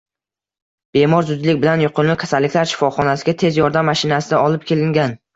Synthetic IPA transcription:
b̥e̞mɒɾzʊd̪lɪk̚ʲbɪlanjʊqʰɨlˠlɪkʰʲḁsalːɪkʲlaɾʃɪ̥fɒχɒnasɪɡʲat̪ʰe̞zjɒɾd̪amːaʃɪnasɪd̪aɒlˠɪp̚kʲʰe̞lɪŋɡʲan

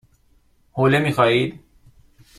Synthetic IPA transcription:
hoːlemiːxɒːiːd̪̥

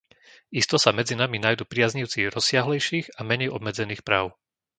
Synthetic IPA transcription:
ist̪ɔsamɛd͡zinaminajd̪uːpɾɪazɲiʊt͡siɾɔsɪaɦlɛjʃiːɣamɛɲɛjɔ̰bmɛd͡zɛniːxpɾaːʊ

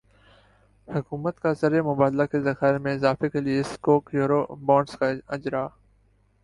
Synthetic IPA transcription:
hʊkuːmət̪kazɐɾemʊbaːd̪lakezɐxaːɪɾmẽɪzaːfekelieskoːkjuːɾoːbɔ̃ːɖskaɪd͡ʒɾaː

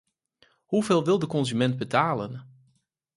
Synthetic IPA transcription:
huveːlˠʋɪlˠdəkɔnzymɛnt̚bətʰaːlən

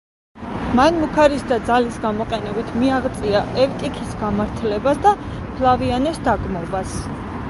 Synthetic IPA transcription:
manmukʰaɾisd̪ad̪zalisɡamɔqʼɛnɛbit̪ʰmiaʁt̪sʼiaʔɛft̪ʼikʰisɡamaɾt̪ʰlɛbasd̪a | pʰlˠavianɛsd̪aɡʼmɔbas

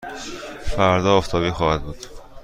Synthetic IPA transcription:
fæɾd̪ɒːoft̪ʰɒːbiːxɒːhæd̪̚buːd̪̥

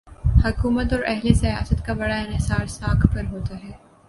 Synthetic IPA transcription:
hɐkuːmət̪̬ɔːɾʔɛɦlesɐja̰ːsət̪kabɐɽaɪnɪsaːɾsaːkʰpɐɾɦoːt̪aɦɛː

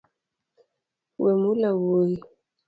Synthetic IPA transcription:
wɛmulawoi

